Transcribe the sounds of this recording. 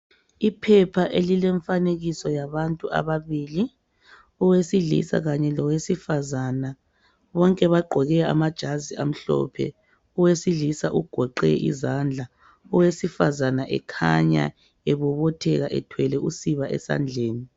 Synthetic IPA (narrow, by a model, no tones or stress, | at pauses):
ipʰɛpʰaʔelilɛɱfaneɣisɔjaβantʼuʔa̰βaβiːli | ɔwesiɮḭsa̰ɣaɲɛlɔwesifazana | βɔŋkʼɛβaɡ͡ǃʱɔɣɛa̰mad̥ʒ̥ʱazia̰m̩ɬɔ̰pʰɛ̰ | ɔwesiɮisaʔuɡ̥ʱɔǃɛʔḭzand͡ɮʱa | ɔwesifazanaʔɛ̰kʰa̰ɲa̰ | eβɔβɔtʰɛɣaʔɛtʰwɛlɛʔusiβaʔɛ̰sa̰nd͡ɮʱeːni